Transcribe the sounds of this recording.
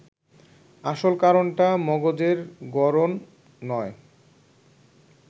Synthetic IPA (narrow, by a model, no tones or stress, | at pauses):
aʃolkaɾonʈamɔɡod͡ʑeɾɡɔɾonː | ɔe